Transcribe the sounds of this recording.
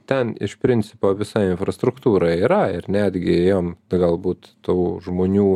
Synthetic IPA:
t̪ʲɛnɪ̰ʃpʲɾʲɪnʲt͡s̪ʲɪpoːʋʲɪsɑɪɪnfɾɐst̪ɾʊkt̪uːɾɑiːɾɐɪrnʲæːd̪ʲɡʲɪɛjoːmɡɐlˠbuːt̪t̪oːʒmoːnʲuː

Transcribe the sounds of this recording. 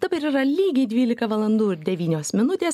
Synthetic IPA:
d̪ɑːbɐɪɾiɾɐlʲiːɡʲɛɪd̪ʲʋʲiːlʲɪkɐʋɐlˠɐnd̪uːɪɾd̪ʲɛʋʲiːnʲoːsmʲɪnʊt̪ʲeːs

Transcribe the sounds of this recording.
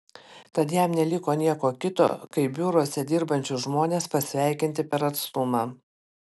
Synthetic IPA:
t̪ɐt̪jɛmnʲɛlʲɪkoːnʲiɛkoːkʲɪt̪o̰ːkɐɪbʲʊɾuɔsʲɛd̪ʲɪːɾbɐnʲt͡ʃʲʊʒmoːnʲeːspɐsʲʋʲæˑɪkʲɪnʲt̪ʲɪpʲɛɾɐt̪st̪ʊmɑː

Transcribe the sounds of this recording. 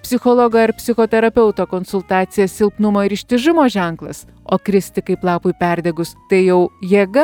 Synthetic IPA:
pʲsʲɪxoːlˠoːɡɐɐɾpʲsʲɪxoːt̪ʲɛɾɐpʲɛʊt̪oːkoːnsʊlˠt̪ɑːt̪sʲɪjɛssʲɪlˠpnʊmoːɪɾɪʃʲt̪ʲɪʒɪmoːʒʲɛŋklˠɐs | oːkɾʲɪsʲt̪ʲɪkɐɪplˠɑːpʊɪpʲæɾʲd̪ʲɛɡʊst̪ɐɪjɛʊjieɛɡɐ

